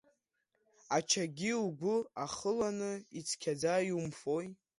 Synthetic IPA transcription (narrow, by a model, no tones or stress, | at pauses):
at͡ʃʰaɡʲilɡʷʊaχəlanɨit͡sʰkʲʰad͡zajumfo̞j